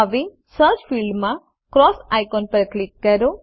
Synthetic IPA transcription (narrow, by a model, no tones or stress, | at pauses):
əʋe | səɾt͡ʃfilɖmã | kɾɔsajkɔnpəɾklikːəɾo